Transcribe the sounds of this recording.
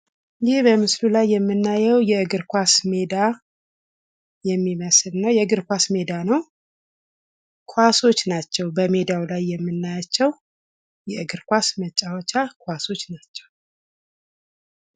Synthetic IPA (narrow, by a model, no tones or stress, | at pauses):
jihbəmɨslulajːɛmːɨnːajɛwjɛɨɡɨɾkʷasmed̪a | jɛmːiməslnawjɛɨɡɨɾkʷasme̞d̪anəw | kʰwaso̞t͡ʃːnat͡ʃːɛwbəme̞d̪awlajːɛmːɨnːajat͡ʃːɛw | jɛɨɡɨɾkʷasmət͡ʃʼːawɔt͡ʃːakʰwaso̞t͡ʃːnat͡ʃːɛw